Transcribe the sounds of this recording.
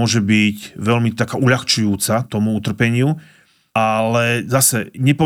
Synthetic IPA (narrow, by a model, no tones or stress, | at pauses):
ɔʒɛbicʋɛʎmit̪akaːʔuʎaxt͡ʃujuːt͡sat̪ɔmuut̪r̩pɛɲɪu | alɛzasɛɲɛpɔ